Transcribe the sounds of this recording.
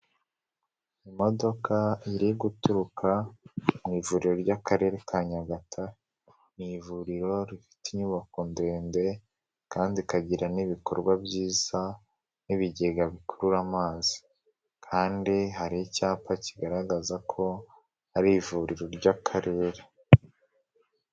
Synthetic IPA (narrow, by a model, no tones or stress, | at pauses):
imo̞do̞kʰaiɾiɡutuɾukamŋiːvuɾiɾo̞ɾɟakaɾe̞ɾekʰaːɲaɡatʰa | nivuɾiɾo̞ɾifi̥tiɲuβakonde̞ːnde̞ | kaːndikaɟiɾaniβiko̞̰ɾɡwabɟiːz̥a | niβiɟeɡaβikʰoɾuɾamaːzi̥ | kʰaːndiɦaɾicaːpaciɡaɾaɡazakʰo̞ | haɾivuɾiɾo̞ɾɟakʰaɾe̞ːɾe